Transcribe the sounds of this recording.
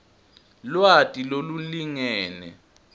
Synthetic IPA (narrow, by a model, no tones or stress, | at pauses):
lwatʼiloluliŋɛːnɛ̰